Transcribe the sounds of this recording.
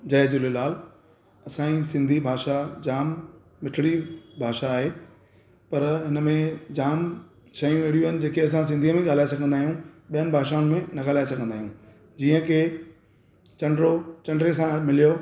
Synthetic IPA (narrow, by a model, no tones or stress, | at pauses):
d͡ʑɐːd͡ʑʊlelaːl | ɐsãĩsɪ̃nd̪ʱibʱaːʃad͡ʑaːmː | ɪʈʰɽibʱaːʃaːɦeː | pɐɾɦɪnəmẽd͡ʑaːm | ʃɐjũeɽijũənɪ̆d͡ʑeːkeɐs̬ãs̬ɪ̃nd̪ʱiəmẽɠaːl̤aːesɐɡʱə̃nd̪aːɦijũɓijənɪbʱaːʃaːʊnɪ̆mẽnɐɡaːlaːesɐɡʱə̃nd̪aːijũ | d͡ʑiːə̃kʰe | t͡ɕɐ̃ɳɖɾot͡ɕɐ̃ɳɖɾesãmɪlijo